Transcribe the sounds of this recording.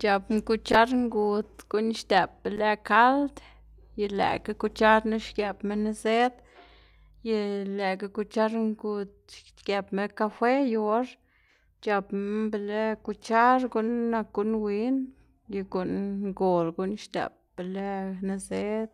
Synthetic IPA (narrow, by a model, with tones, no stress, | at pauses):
t͡ʃa˨pm˧ku˧t͡ʃa˦ɾŋɡu˧t̪ɡ̥u˦nʃt̪e˨p̚be˨le˧ka˦ld̪ | je˧lḛ˨ka˦ku˧t͡ʃa˦ɾnu˦ʃkje˨pme˦ne˦ze˦d̪ | je˧le˨ka˧ku˧t͡ʃa˦ɾŋɡu˧t̪̚ʃ | ke˨pme˦ka˧fe˦jo˧˦ɾ | t͡ʃa˨˧pbe˨le˦ku˧t͡ʃa˦ɾɡu˦nːa˧kɡu˧˦nwi˦n | je˧ɡu˨nŋɡo˨lɡu˦nʃt̪ḛ˨p̚b̥e˨le˦ne˧ze˦d̪